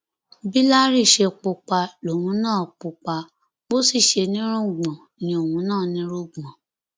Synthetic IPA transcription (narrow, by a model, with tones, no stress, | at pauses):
bi˦la˦ɾi˦˨ʃe˧k͡po˧k͡pa˧lo˨wũ˨˧˦nãː˦˨k͡pu˧k͡pa˧ | bo˦si˦˨ʃe˧nĩ˦ɾũ˦˨ɡ͡bɔ̃˨ | nĩ˧o˨wũ˧˦nãː˦˨nĩ˦ɾũ˦˨ɡ͡bɔ̃˨